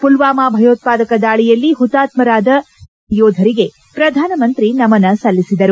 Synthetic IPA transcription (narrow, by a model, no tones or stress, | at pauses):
pulʋaːmaːbʱɐjoːt̪̚paːd̪ɐkɐd̪aːɭijɐlːiɦut̪aːt̪mɐɾaːd̪ɐ | joːd̪ʱɐɾiɡe̞ | pɾɐd̪ʱaːnɐmɐnt̪ɾinɐmɐnːɐsɐlːisid̪ɐɾu